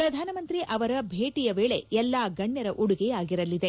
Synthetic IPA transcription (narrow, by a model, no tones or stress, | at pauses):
pɾɐd̪ʱaːnɐmɐnt̪ɾiʔɐʋɐɾɐbʱeːʈijɐʋeːɭe̞jɛlːaːɡɐɳːɐɾɐʔuɽuɡejaːɡiɾɐlid̪e̞